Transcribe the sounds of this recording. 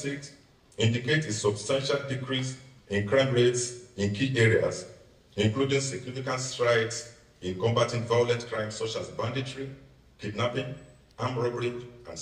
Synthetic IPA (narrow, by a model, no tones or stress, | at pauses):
siks | ĩndiketesɔbstãnʃaldikɹis | ĩnkɹãɪ̃mɹetsĩnkʰiʔɛɹia̰s | ĩŋkludĩŋsiknifikãntstɹaɪts | ĩnkɔ̃mbatĩŋvajolɛ̃ntkɹãɪ̃msɔt͡ʃazbãnditɹi | kidnapĩŋ | ãmɹɔbɹĩŋã̰ns